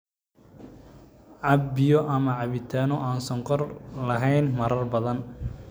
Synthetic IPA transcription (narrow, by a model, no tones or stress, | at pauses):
ʕɑbbɪjɔʔɐmɐʕɑβɪt̪ʰaːnɔʔaːnsɐŋqɔrlɐɦɛjnmɐɾɐrbɐðɐn